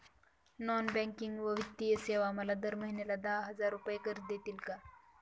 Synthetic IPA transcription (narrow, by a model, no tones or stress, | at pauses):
nɔnbɛ̃ŋkiŋɡʋəʋit̪ːijəseʋaməlad̪əɾməɦinelad̪aɦɦəd͡zaɾupəjekəɾ̚d̪et̪iːlka